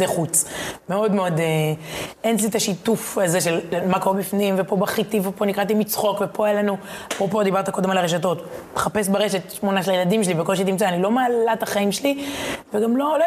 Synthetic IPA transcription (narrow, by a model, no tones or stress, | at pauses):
eχut͡smeo̞d̪meo̞d̪e | ent̬lit̪aʃitufaze̞ʃelmakoʁebifnimvepo̞baχit̪ivepo̞nikʁat̪̬imit͡sχo̞kvepo̞ajalanuapʁopo̞d̪ibaʁt̪akod̪emalaʁeʃ̬ato̞t̪meχapesbaʁeʃet̪ʃmo̞naʃelajelad̪imʃelivekolʃeit̪imt͡saːnilo̞maːlat̪aχaimʃeliveɡamlol